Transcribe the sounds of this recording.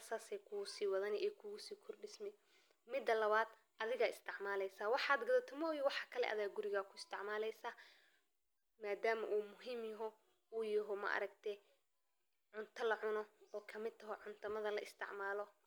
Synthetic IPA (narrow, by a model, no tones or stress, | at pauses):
ɐsaːsɛkʰʊɣʊsiːwɐðɐnɛʔɛkʰʊɣʊsiːkʰɔrɖɪsmɛ | mɪd̪ːɐlɐβaːd̪ | ʔɐðɪɣɐɪst̪ʰɪʕmaːlɛjsaːwɑħɑːd̪ɡɐðɐt̪ʰɪmɔjɪwɑħɑkʰɐlɛ̰ʔɐðaːɡʊɾɪɣaːkʰʊɪst̪ʰɪʕmaːlɛjsaː | maːd̪aːmɐʔuːmʊɦiːmjɐɦɔ | uːjɐɦɔmɐ̰ʔɐ̰ɾɐɡt̪ʰɛ | ʕʊnt̪ʰɐlɐʕʊnɔɔːkʰɐmɪd̪̚t̪ʰɐɦɔʕʊnt̪ʰɐmɐðɐlɐʔɪst̪ʰɪ̰ʕmaːlɔ